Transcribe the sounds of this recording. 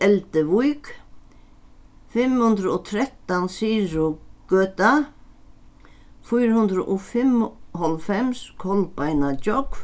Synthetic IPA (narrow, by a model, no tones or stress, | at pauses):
ɛlt̪ɪʋujk | fɪmhʉnd̪ɾʊɔt̪ʰɾɛht̪ːansiːɾʊɡ̥øːt̪a | fujɾhʉnd̪ɾʊʔɔfɪmhɔlfɛmskʰɔlpajnat͡ʃɔk